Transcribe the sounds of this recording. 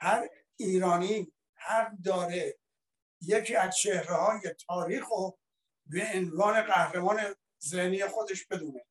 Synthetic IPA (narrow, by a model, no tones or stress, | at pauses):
hæɾ | iːɾɒːni | hæɡd̪ɒːɾe | jecʰiːæzt͡ʃʰehɾehɒːjet̪ʰɒːɾiːxo | beːnvɒːne̞ɢæhɾemɒːne | zehniːjexo̞d̪e̞ʃb̥e̞d̪uːne